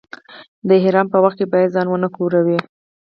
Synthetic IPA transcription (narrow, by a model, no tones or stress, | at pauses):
d̪əɦɪɾɑmpəwaxt̪̚kebɑjad̪zɑnwənəkoɾawi